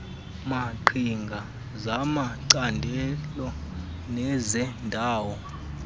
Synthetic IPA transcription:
maǃʰiŋɡʱa | zamaǀandʱɛlɔ | nɛzɛndʱaːwɔ

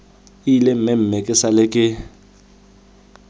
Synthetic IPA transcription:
ilem̩mɛm̩mekʼɪsalɪkʼɪ

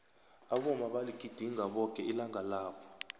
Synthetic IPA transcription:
aɓɔmaɓaliɡ̥ʱid̥ʱiŋʱaɓɔkʼɛilaŋʱalaːɓɔ̥

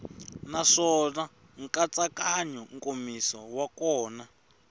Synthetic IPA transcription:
naʂɔna | ŋkʼat͡sʼakaɲɔŋkʼomisawakɔːna

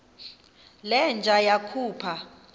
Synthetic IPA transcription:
lɛnd͡ʒʱajakʰuːpʰa

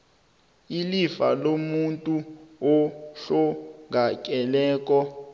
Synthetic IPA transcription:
ilifa̰lomuntʼuɔɬɔŋakʼɛlɛːk̬ʼɔ

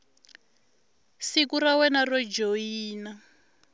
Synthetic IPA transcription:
sikuɾawɛnarɔd͡ʒoiːna

